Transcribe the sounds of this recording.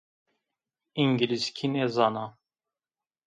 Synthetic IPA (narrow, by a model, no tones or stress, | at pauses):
iŋɡiliskʲʰinezɑnɑ